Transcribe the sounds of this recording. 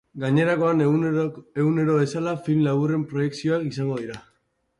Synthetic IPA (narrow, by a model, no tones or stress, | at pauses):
ɡaɲe̞ɾako̞an | eɣune̞ɾo̞βe̞salafilmlaβure̞mpɾo̞je̞ksio̞akisaŋɡo̞ðiɾa